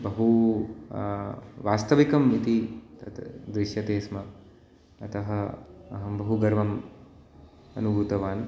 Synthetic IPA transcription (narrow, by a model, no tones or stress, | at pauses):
bɐɦu | ʋaːst̪ɐʋikɐmit̪it̪ɐt̪d̪ɾiʃjɐt̪eːsmɐ | ɐt̪ɐɦɐɐɦɐbɐɦuɡɐɾʋɐm | ɐ̰nubʱuːt̪ɐʋaːn